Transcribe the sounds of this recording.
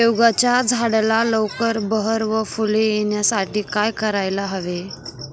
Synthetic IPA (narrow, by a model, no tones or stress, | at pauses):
ewɡat͡ɕjad͡zʱaɽlaləwkəɾbəɦəɾʋəfulejeɳjasaʈiːkajkəɾajlaɦəʋe